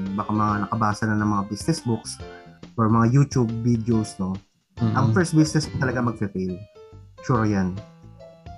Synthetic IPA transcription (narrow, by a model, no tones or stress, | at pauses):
bakamɐŋanɐkɐbaːsɐnɐnɐŋmɐŋabisnɛsbʊksʔɔɹmɐŋajut̪ub̚ːid̪ɛowsno | ʔɐŋfɛɹst̪̚bisnɛspɐt̪ɐlɐɡamɐɡ̚fɛfɛlt͡ʃuɾjan